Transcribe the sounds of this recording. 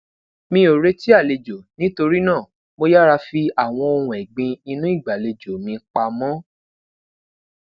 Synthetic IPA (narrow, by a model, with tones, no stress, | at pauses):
mĩ˧˦o˨ɾe˦ti˦a˦˨le˧d͡ʒo˨nĩ˦to˧ɾi˦nã˦˨ | mo˧ja˦ɾa˧fi˧a˨w̃ɔ̃˧o˧hũ˧˨ɛ˨ɡ͡bĩ˧i˧nũ˦i˦˨ɡ͡ba˨le˧d͡ʒo˨mĩ˧k͡pa˧mɔ̃˦